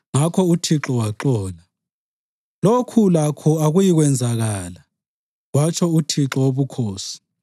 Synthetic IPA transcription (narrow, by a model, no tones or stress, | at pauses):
ŋakʰɔutʰiǁɔwaǁɔːla | lokʰulakʰɔaɣujiɣwɛnd͡zʱaɣaːla | wat͡ʃʰɔutʰiǁɔwoβukʰoːsi̥